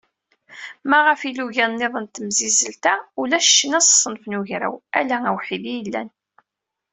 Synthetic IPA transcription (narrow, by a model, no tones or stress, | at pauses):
mæʁəfiluʝænnːeðˤənt̪əmzizəlt̪æulæʃʃːənæssˤːənfnuʝɾæ̰wælææwħiðijəlːæ̰n